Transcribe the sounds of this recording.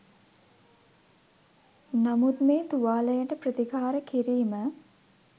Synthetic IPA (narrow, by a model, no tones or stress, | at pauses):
namut̪meːt̪uʋaːləjəʈəprət̪ikaːɾəkiɾiːmə